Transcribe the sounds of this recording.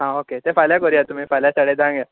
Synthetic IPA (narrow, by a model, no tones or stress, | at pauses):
ɦãoket̪efaljakəɾijat̪um̤ĩːfaljasaɽed̪ãŋɡja